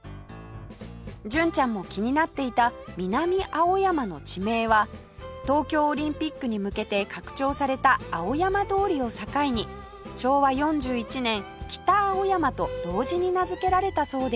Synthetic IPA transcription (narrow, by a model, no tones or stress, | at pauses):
d͡ʑɨ̃ɲ̟t͡ɕãmːo̞kʲiɲ̟inat̪ːe̞it̪amʲinamʲiʔao̞jamano̞t͡ɕime̞ːβa | t̪o̞ːkʲo̞ːɾʲĩmpʲikːɯ̟ɲ̟imɯ̟ke̞t̪e̞kakɯ̟̥t͡ɕo̞ːsaɾe̞t̪aːo̞jamad̪o̞ːɾʲio̞sakaiɲ̟i | ɕo̞ːβajõ̞ɲ̟d͡ʑɨːit͡ɕinẽ̞ŋkʲi̥t̪aːo̞jamat̪o̞d̪̥o̞ːʑiɲ̟inazɨke̞ɾaɾe̞t̪aso̞ːd̪e